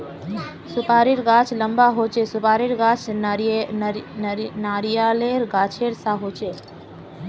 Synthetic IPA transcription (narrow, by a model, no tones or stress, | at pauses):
sʊpaːɾiɾɡaːt͡ʃʰləmbaɦot͡ʃesʊpaːɾiɾɡat͡ʃʰ | naːɾijaːleɾɡaːt͡ʃʰeɾsaɦot͡ʃeː